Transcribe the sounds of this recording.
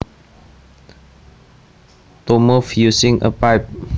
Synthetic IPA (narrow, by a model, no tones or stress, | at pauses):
t̪omofjusĩŋʔə̰paɪp̚